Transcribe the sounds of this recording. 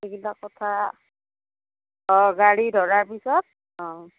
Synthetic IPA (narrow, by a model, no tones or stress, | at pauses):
eɡilakɔtʰa | ɔ̃ɡaɹidʱɔɹaɹpisɔt̚ | ɔ̃